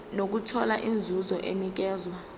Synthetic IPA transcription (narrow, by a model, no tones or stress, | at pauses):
nok̬utʰɔlaʔind͡zʱuzɔʔemik̬ɛːzwa